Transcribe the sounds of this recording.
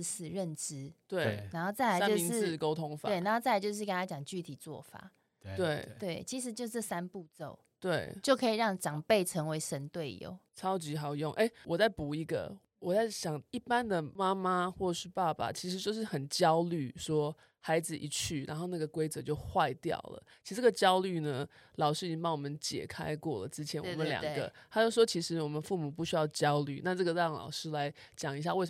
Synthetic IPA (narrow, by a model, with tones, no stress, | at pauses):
s̩˨˩ɻə˥˨nʈ͡ʂɻ̩˥t̪we˥˩a˧˥nxo˥˧ʊt͡sa˥˩ɪla˧˦˥t͡ɕo˧i˧ŋ̩˥˨ko˥ʊt̪ʰʊ˦ŋfa̰˨we˥˩ɪna˧˥xo˥˧t͡sa˥˩ɪa˧t͡ɕjʊʂ̬ɻ̩˥˩kə˦nʰa˥˩t͡ɕjɑ˨˩ŋt͡ɕy˥˩t̪ʰi˨˩t͡swɔ̰˥˨fa̰˨˩˦ | t̪we˥˩ɪt̪we˥˩ɪt͡ɕʰi˧˥ʂ̬ɻ̩˧˥t͡ɕjo˥˧ʊt͡sɤ˥˩sa˦npu˥˧t͡so˥˩ʊt̪we˥˩ɪt͡ɕjo˥˩ʊkʰɤ˧˥i˨˩ɻɑ˥˩ŋʈ͡ʂɑ˨˩ŋpe˥˩ɪʈ͡ʂʰə˧˥ŋwe˧˥ɪʂə˧˥nt̪we˥˩ɪjo̰˨˩ʊt͡sʰɑ˦˥ʊt͡ɕi˧˥xɑ˨˩ʊjo˥˨ŋʔe˥ɪwʔɔ˨˩t͡sa˥˩ɪpu˨˩i˧˥ɡə̰˨ | wɔ˨˩t͡sa˥˩ɪɕjɑ˨˩ŋi˥˩pa˦nd̪ə˨ma˥ma˦xwɔ˥˩ʈ͡ʂə˨˩y˥˧pa˥˩pa̰˩t͡ɕʰi˧˥ʂɻ̩˧˥t͡ɕjo˥˧ʊʂ̬ɻ̩˥˩xə˨˩nt͡ɕjɑ˥ʊly˥˩ʂwɔ˥ | ha˧˥ɪd͡zɹ̩˨ʔḭ˧˥t͡ɕʰy˥˩ɻa̰˧˦nxo˥˧na˥˩ɡə˩kwe˥ɪt͡sɤ˧˦t͡ɕjo˥˧ʊxwa˥˧ɪt̪jɑ̰˥˩ʊlə̰˩i˧˥ʂ̩˧t͡sʈ͡ʂə˥˩ɡə˩t͡ɕjɑ˥ʊly˥˩nə˩ | lɑ˨ʊʂɻ̩˥i˨˩i˥ŋpɑ˥˩ŋwɔ˨˩mə˨˦nt͡ɕjɛ̰˨˩kʰa̰˦˥ɪkwɔ˥˩lə̰˩t͡sɻ̩˦˥t͡ɕʰjɛ˧˦nw̰mə˦nljɑ̰˨ŋɡə̰˦a˥t͡ɕjo˥˩ʊʂwɔ˥t͡ɕʰi˧˥ʂɻ̩˧˥wɔ˨˩mə˨˦nfu˥˩mu˨˩p̬u˥˩ɕy˥jɑ˥˩ʊt͡ɕjɑ˥ʊly̰˥˩na˥˧ʈ͡ʂɤ˥˩ɡə˩ɻɑ˥˩ŋlɑ̰˨˩ʊʂɻ̩˥la˧˦ɪ | t͡ɕjɑ˨˩ŋi˧ɕ̬ja˥˧we˥˩ɪ